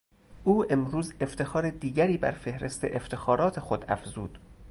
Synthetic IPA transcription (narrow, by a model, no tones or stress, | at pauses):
ʔuːʔe̞mɾuːze̞ft̪ʰe̞xɒːɾed̪iːɟæɾiːbæ̰ɾfe̞hɾe̞st̪ʰe̞̰ʔeft̪ʰe̞xɒːɾɒːt̪ʰe̞xod̪æ̰fz̥uːd̪̥